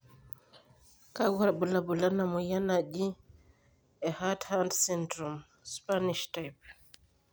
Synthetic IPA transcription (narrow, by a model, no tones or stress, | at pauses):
kaɡɔɾabɔlabɔlanamɔjanad͡ʒi | ɛhathandsɛntɾɔm | spaniʃtajp̚